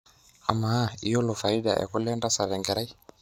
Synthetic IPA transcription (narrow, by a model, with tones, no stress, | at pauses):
a˨ma˦i˦jɔ˦lɔ˨fa˨i˦ɗa̰˨ʔɛ̰˨kulɛ˦nda˦sa˨ɾɛ˨ŋɡɛ˨ɾa˦i˦